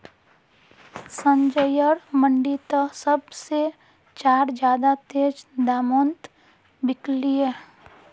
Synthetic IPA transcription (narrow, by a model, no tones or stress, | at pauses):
sə̃ɲd͡ʒəjəɾməɳɖit̪əsəbse | t͡ʃaːɾd͡ʒjaːd̪at̪eːd͡ʒd̪aːmoːnt̪ | bɪklie